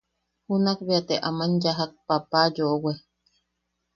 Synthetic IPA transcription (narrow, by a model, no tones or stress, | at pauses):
hunak̚beat̪eʔamanjaɦak̚papajoʔowe